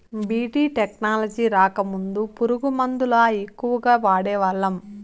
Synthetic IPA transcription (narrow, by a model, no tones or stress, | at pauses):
biːʈiːʈeknaːlɐd͡ʒiːɾaːkɐmund̪upuɾuɡumɐnd̪ulaːekːuʋɐɡaːʋaːɽɛːʋɐɭːɐm